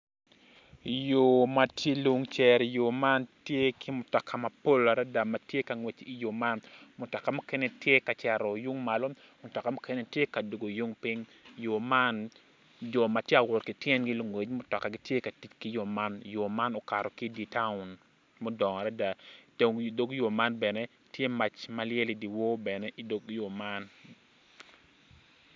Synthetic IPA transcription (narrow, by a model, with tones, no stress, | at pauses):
jo˨ma˨tʰi˦lu˦ŋt͡ʃɛ˨ɾjo˨ma˦ntje˦kʰi˦mʊ˨tɔ˨kʰa˨ma˨po˦la˨ɾa˦da˨ma˨tje˦ka˨ŋwe˨t͡ʃi˨jo˨ma˦nmʊ˨tɔ˨ka˨mo˦kɛ˦ne˦tje˦ka˨t͡ʃɛ˨ɾɔ˨ju˦ŋma˨lo˦ | mʊ˨tɔ˨ka˨mo˦kɛ˦ne˦tje˦ka˨do˨ɡo˨ju˦ŋpi˦ŋjo˨ma˦n | d͡ʒo˨ma˨tje˦a˨wʊ˨tki˨tjɛ˦nɡi˦lo˦ŋwe˨t͡ʃmo˨˦tɔ˨ka˨ɡɪ˦tje˦ka˨ti˦t͡ʃki˦jo˨ma˦njo˨ma˦nɔ˨ka˨ɾɔ˨ki˦di˨ta˦ʊ˨n | mo˦dɔ˨ŋɔ˨ɾa˦da˨do˨do˦ɡjo˨ma˦nbɛ˨ne˦ | tje˦ma˨t͡ʃma˨˦lje˦li˨di˨wo˦bɛ˨ne˦ʔi˦do˦ɡjo˨ma˦n